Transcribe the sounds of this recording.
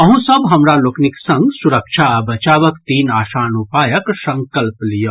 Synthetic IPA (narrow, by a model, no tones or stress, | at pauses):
ɐɦũsəbɦɐmɾalokniksɐ̃ŋɡsuɾəkʃʰabɐt͡ʃaːʋəkt̪iːnaːsaːnupaːjəksɐ̃ŋkəlplijo